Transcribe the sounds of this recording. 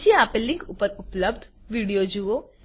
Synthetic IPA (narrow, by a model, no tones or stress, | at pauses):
t͡ʃiapelːĩŋkupəɾʊpləbd̪ʱ | ʋiːɽijod͡ʒuo